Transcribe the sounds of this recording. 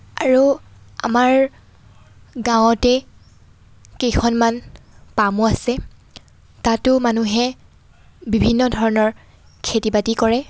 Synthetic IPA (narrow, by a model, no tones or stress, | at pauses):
aɹua̰maɹ | ɡãw̃ɔtɛ | kejkʰɔnmanpamuasɛ | tatʊmanuɦɛ | bibʱinːɔdʱɔɹɔnɔɹ | kʰetibatikɔɹɛ